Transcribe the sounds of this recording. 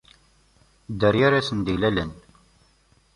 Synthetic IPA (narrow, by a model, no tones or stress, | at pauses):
d̪əɾjaɾasənd̪ilælən